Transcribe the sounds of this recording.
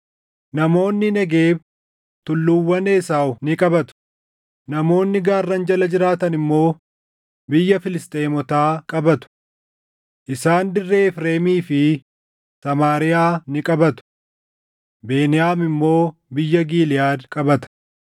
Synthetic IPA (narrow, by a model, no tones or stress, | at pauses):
nɐmo̞ːnːɪnɐɡeːb | t̪ʊlːʊwːɐneːsaːʊnɪkʼɐbɐt̪ʊ̥ | nɐmo̞ːnːɪɡaːrːɐnd͡ʒɐlɐd͡ʒɪɾaːt̪ɐnɪmːo̞ː | bɪjːɐfɪlɪst̪ʼeːmɔt̪aːkʼɐbɐt̪ʊ̥ | ʔɪsaːnd̪ɪrːe̞ːɪfɾe̞ːmiːfɪ | sɐmaːɾɪjaːnɪkʼɐbɐt̪ʊ̥ | be̞ːnɪjaːmɪmːo̞ːbɪjːɐɡiːlɪjaːd̪kʼɐbɐt̪ɐ̥